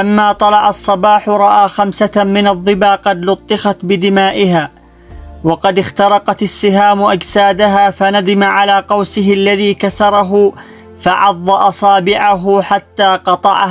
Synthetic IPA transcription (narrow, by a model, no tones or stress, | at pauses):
lamːaːt̪ˤɑlɑʕɑsˤːɑbɑːħʊɾˤɑʔaːxamsamɪnɑðˤːɨbaːqɑd̪lʊt̪ˤːɨxɑt̪bɪd̪ɪmaːʔɪɦaː | wɑqɑd̪ɪxt̪ɑɾˤɑqɑt̪ɪsːɪɦaːmʊʔad͡ʒsaːd̪aɦaːfanad̪ɪmaʕalaːqɑwsɪɦɪlːaðiːkasɑɾˤɑɦʊ | fɑʕɑðˤːɑʔɑsˤɑːbɪʕaɦʊħat̪ːaːqɑt̪ˤɑʕa̰h